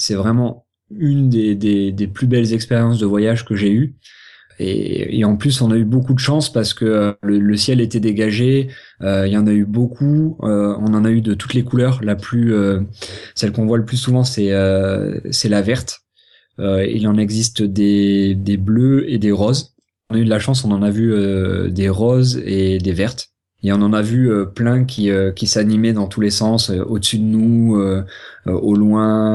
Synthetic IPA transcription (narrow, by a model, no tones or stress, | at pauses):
sɛvʁɛmɑ̃ | ynd̪ed̪ed̪eplybɛlzɛkspeʁjɑ̃s̬d̪əvwajaʒkəʒey | ḛḛɑ̃plysɔ̃naybokud̪əʃɑ̃spaʁsə̥kəølələsjɛlet̪ɛd̪eɡaʒe | øilɑ̃naybokʰuøɔ̃nɑ̃nayd̪ət̪u̥t̪lekulœːʁlaplyø | sɛlkɔ̃vwaləplysuvɑ̃sɛø | sɛlavɛʁt̪ | øḭlɑ̃nɛɡzist̪d̪ed̪ebløed̪eʁɔz | ɔ̃nayd̪əlaʃɑ̃s̬ɔ̃nɑ̃navyød̪eʁɔzed̪evɛʁt̪ | eɔ̃nɑ̃navyøplɛ̃kʲiøkʲisanimɛd̪ɑ̃t̪ʰulesɑ̃søʔod̪əsyd̪ənuøøʔolwɛ̃